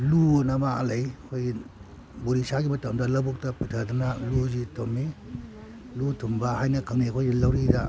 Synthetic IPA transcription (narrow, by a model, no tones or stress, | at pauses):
lunɐmaɐ̰lajɐkʰojɡi | buɾisaɡimɐtɐmdɐlɐbuk̚tɐpɯtʰɐɾdanɐluzitomːi | lutʰumbɐhajnɐkʰɐŋnikʰojɡilɐwɾida